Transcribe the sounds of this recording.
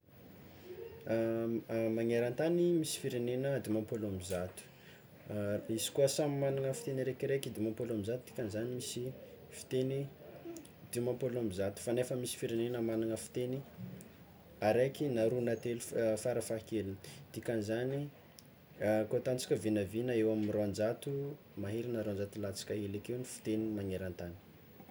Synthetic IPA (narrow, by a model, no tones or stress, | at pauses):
maŋeɾant̪animisi̥fiɾenenəd̪iumampolamizat̪u̥ | isi̥kuəsamimanaŋəfi̥t̪eniɾekiɾekid̪imampolamizat̪u̥d̪i̥kʲanizanimisifi̥t̪eni | d̪̥iumampolamizat̪u̥fanefəmisi̥fiɾenenəmanaŋəfi̥t̪eni | aɾekinaɾunat̪elufaɾəfakelud̪̥ikʲanizani | kot̪ant͡sḁkʲəvinəvinəewamiroand͡ʒat̪u | maɦeɾinaɾoand͡ʒat̪ulat͡si̥kʲəelekewnifi̥t̪enimaŋeɾant̪ani̥